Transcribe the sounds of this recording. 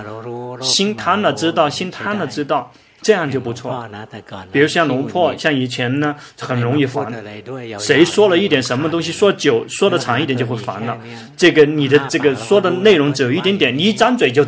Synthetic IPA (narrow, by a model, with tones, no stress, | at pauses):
ɕi˥nt̪ʰa˥nlə˨ʈ͡ʂɻ̩˥t̪ɑ˥˩ʊɕi˥nt̪ʰa˥nlə˨ʈ͡ʂɻ̩˥t̪ɑ˥˩ʊ | ʈ͡ʂɤ˥˧jɑ˥˧ŋt͡ɕjo˥˩ʊpu˧˥t͡sʰwɔ̰˥˩pi˨˩ɻu˧˥ʂɔ˥ɕjɑ˥˩lʊ˧˥ŋpʰwɔ˥˩ɕjɑ˥˩ŋi˨˩t͡ɕʰjɛ˧˥nə˧xə˨˩nɻʊ˧˥ŋi˥˩fa̰˧˥nʂe˧˥ɪʂwɔ˥lə˨i˥˩t̪jɛ˨˩nʂə˧˥nmə˧t̪ʊ˥ŋɕi˨ʂwɔ˥t͡ɕjo˨˩ʊʂwɔ˥d̪ə˨ʈ͡ʂʰɑ˧˥ŋi˩jɛ˨˩˦t͡ɕo˥˧ʊxwe˥˩fa̰˧˥nlə˧ | ʈ͡ʂɤ˥˩ɡə˩ni˨˩d̪ə˦ʈ͡ʂɤ˥˩ɡə˩ʂwɔ˥d̪ə˨ne˥˩ɪɻʊ˧˥ŋʈ͡ʂɻ̩˧˥jo˨˩ʊi˥˩jɛ˧˥nt̪jɛ˨˩˦ni˧˥ʈ͡ʂa˥nt͡swe˨˩ɪt͡ɕjo˥˧ʊ